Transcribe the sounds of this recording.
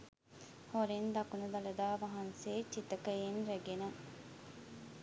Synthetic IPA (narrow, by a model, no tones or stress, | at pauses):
hoɾind̪ɐkunɐd̪ɐlɐd̪aːʋɐɦɐnseːt͡ʃit̪ɐkɐenɾeɡenɐ